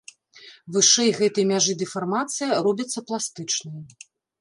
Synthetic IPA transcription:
vɨʂɛjɣɛt̪ɐjmʲaʐɨd̪ɨfarmat̪sɨjɐrɔbʲɐt̪sːɐplˠast̪ɨt͡ʂnɐjɐ

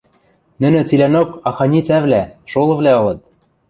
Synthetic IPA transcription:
nɘ̆nɘ̆t͡silʲænokɑxɑnʲit͡sæβlæʃolˠɤ̆βlæɤ̆lɤ̆t̪̚

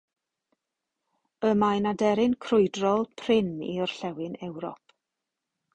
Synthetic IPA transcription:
əmajnadɛɾɪnkʰrʊɨdrɔlˠpʰrɪnḭɔr̥ɬɛwɪnɛwɾɔ̰p

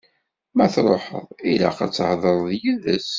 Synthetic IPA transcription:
mæθɾˤoħə̰ðˤila̰qa̰t͡sːhðˤəɾˤðjiðəs

